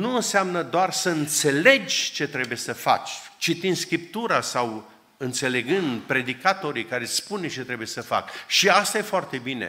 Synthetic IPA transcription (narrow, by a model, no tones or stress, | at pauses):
nuɨnseamnəd̪oarsəɨnt̪se̞le̞d͡ʒʲt͡ʃe̞t̪ɾe̞buje̞səfa̰t͡ʃʲt͡ʃit̪ind̪skɾip̚t̪uɾasaw | ɨnt̪se̞le̞ɡɨnd̪pɾe̞d̪ikat̪o̞ɾikaɾe̞spunt͡ʃe̞t̪ɾe̞bujesəfa̰kʃiast̪aje̞foart̪e̞binḛ